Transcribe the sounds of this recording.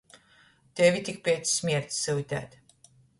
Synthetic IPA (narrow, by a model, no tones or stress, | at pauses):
t̪ɛvit̪ik̚pʲɛt̪ssmʲiɛɾt̪sːɨwit̪æ̰ːt̪